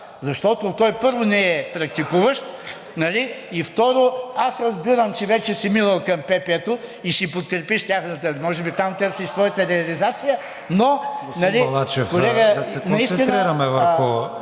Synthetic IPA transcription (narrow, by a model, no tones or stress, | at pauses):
zɐʃt̪ɔt̪ot̪ɔjpɤɾvonɛɛpɾɐk̚t̪ikuvəʃt̪ | nɐliift̪ɔɾoasɾɐzbiɾɐmt͡ʃɛvɛt͡ʃɛsiminɐlˠkɐmpɛpɛt̪oiʃipot̪̚kɾɛpiʃt̪ʲaxnɐt̪əmɔʒɛbit̪amt̪əɾsiʃsvɔjət̪əɾɛɐlizat̪sijə | nonɐlilˠat͡ʃɛfkolɛɡəɐsɛnɐisst̪inɾiɾɐmɛvɐɾo